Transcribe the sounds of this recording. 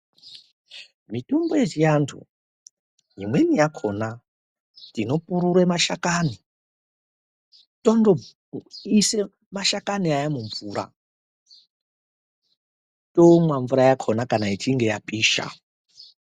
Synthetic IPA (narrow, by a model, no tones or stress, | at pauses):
mitumbojet͡ʃijantʰṵ | jimwe̞nijakʰo̞na | tino̞puɾuɾemaʃakani | tondo | ise | maʃakaniajamuɱvuːɾa̰ | tomwaɱvuɾajakʰonakanaitʰiŋɡe̞japiːʃa̰